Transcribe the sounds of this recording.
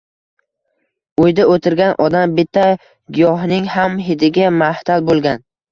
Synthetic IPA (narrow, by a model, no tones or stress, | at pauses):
ojd̪aot̪ʰɪɾɡʲanʔɒd̪ambɪt̪ʰːa | ɡʲɪjɒɦnɪŋhamɦɪd̪ɪɡʲamaht̪ʰalbolˠɡʲan